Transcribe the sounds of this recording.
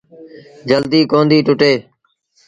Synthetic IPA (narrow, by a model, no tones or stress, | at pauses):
d͡ʒəld̪iːkoːnd̪iːʈʊʈeː